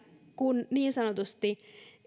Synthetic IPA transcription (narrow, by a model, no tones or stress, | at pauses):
kunniːnsɑnot̪ust̪i